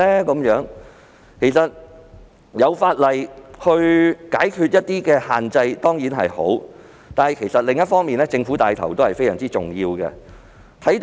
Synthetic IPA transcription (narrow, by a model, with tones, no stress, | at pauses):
ɛː˥kɐ˨˥mjœː˨˥ŋ | kʰe˨˩jsɐ˨t̚ | jɐ˨˧wfaː˧t̚lɐ˨˩jhɵ˧ɥkaː˨˥jkʰyː˧t̚jɐ˥t̚t̪iː˥kɛː˧haː˨nt͡sɐ˧jt̪ɔː˥ŋjiː˨˥nɦɐ̰˨jho̰˨˥w | t̪aː˨nhɐ˨jkʰe˨˩jsɐ˨t̚lɪ˨ŋjɐ˥t̚fɔː˥ŋmiː˨nɛː˥t͡sɪ˧ŋfuː˨˥t̪aː˨jt̪ʰɐ˨˩wt̪o˥whɐ˨jfe˥jsɐ̰˨˩t͡siː˥t͡sʊ˨˩ŋjiː˧wɡɛ̰˧ | t̪ʰɐ˨˥jt̪